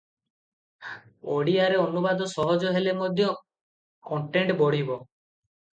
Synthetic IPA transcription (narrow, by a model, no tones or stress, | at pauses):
oɽiaɾeɔnubad̪ɔsɔɦɔd͡ʒɔɦelemod̪ʱjɔ | kɔɳʈeɳʈbɔɽ̤ibɔ